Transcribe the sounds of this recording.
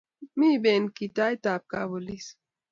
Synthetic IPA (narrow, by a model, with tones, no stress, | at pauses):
mi˦be˨nki˨ta˦jta˨p̚ka˨bo˨li˦s